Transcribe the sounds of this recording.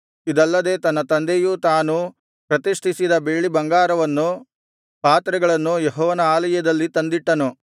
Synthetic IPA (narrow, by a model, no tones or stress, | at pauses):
id̪ɐlːɐd̪e̞ːt̪ɐnːɐt̪ɐnd̪ejut̪aːnu | pɾɐt̪iʂʈʰisid̪ɐbeːɭibɐŋɡaːɾɐʋɐnːu | paːt̪ɾɐɡɐɭɐnːujeɦɔːʋɐnɐaːlɐjɐd̪ɐlːit̪ɐnd̪iʈːɐnu